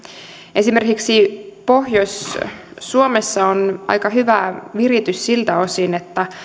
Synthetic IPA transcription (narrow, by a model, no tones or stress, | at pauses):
ʔe̞sime̞rkiksipo̞hjosʲː | uomesːɑonʔɑ̰jkɑɦyʋæʋirit̪yssilt̪æo̞siːnet̪ːæ